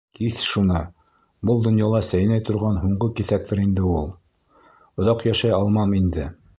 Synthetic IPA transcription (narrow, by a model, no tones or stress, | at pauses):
kiθʃunɤ | bɤlˠd̪ŏnjɑlˠɑsæjnæjt̪ŏɾʁɑnɦuɴɢokiθæk̚t̪ɘɾind̪ɘulˠ | ŏðɑqjæʃæjɑlˠmɑmind̪ɘ